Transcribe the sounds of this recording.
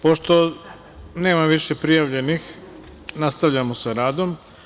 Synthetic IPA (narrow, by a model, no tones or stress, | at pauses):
poʃt̪o̞ | ne̞ːmaʋiʃe̞pɾijaʋʎe̞nix | nast̪aʋʎamosaɾaːd̪o̞m